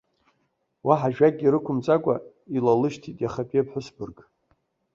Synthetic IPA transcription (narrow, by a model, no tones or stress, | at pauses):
waħaʒᶣaɡʲʼiɾɨkʷʰʊmt͡sʼakʷʼa̰ | ilalɨʃtʰitʼjaχapʼepʰħʊsbɨrɡʼ